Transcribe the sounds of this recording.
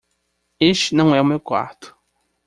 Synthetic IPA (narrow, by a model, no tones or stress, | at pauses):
eʃt͡ʃɪnɐ̃w̃ɛumewkwa̰ɾt̪ʊ̥